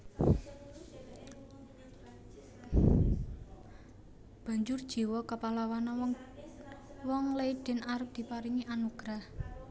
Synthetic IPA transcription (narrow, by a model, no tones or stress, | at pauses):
b̥a̤ɲd͡ʒʊrd̥ʒ̥i̤wɔkapalawana | wɔŋlejɖ̪̥ɛ̤naɾʊp̚d̪̥i̤paɾiŋiʔanuɡ̥ɾah